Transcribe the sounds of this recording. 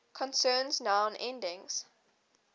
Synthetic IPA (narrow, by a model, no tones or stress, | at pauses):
kʰɔ̃nsɜːnznãʊ̃nʔɛ̃ndɪ̃ŋz̥